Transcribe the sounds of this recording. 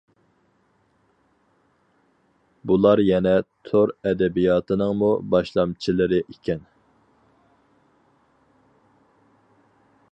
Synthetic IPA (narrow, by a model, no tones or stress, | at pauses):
bulˠɑɾjɛnɛt̪ʰoɾɛd̪ɛbijɑːt̪ʰɨnɨŋmubɑʃlˠɑmt͡ʃʰilˠɨɾɪʔikʲʰɛn